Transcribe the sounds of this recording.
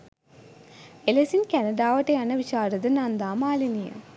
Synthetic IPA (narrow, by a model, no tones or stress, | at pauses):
elesinkænɐɖaːʋɐʈeɐnɐʋiɕaːɾɐd̪ɐnand̪aːmaːlinijɐ̰